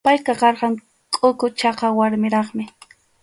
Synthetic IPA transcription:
pajkɑqɑɾɢɑŋ | kʼʊkʊt͡ʃɑqɑwaɾmɪɾɑχmɪ

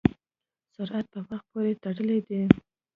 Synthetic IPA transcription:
sʊɾʔat̪̚pəwaxt̪̚poɾet̪aɽəled̪i

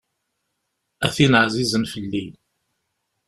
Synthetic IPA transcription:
æθinəʕzizənfəlːi

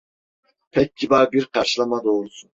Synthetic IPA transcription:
pʰɛk̚ʲʰːibɑɾbiɾqɑɾʃilˠɑmɑd̪oɾsun

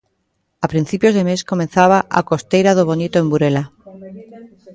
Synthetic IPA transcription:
apɾĩn̟θipjozðemeskomẽnθaβ̞aʔa̰kost̪ejɾaðoβonit̪oembuɾela

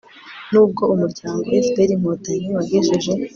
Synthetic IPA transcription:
nuːb̚ɡo̞umuɾɟaːŋɡo̞efbeɾimotaɲiwaɡeʒiʒe̞

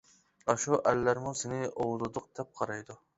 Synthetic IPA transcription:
ɑʃuʔælːæɾmʊsenɪowd̪ɨd̪əq̚t̪ʰɛp̚qʰɑɾɑjd̪ʊ

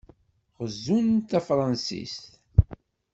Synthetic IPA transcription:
ʁəzːunt̪æfɾˤɑnsḭst̪

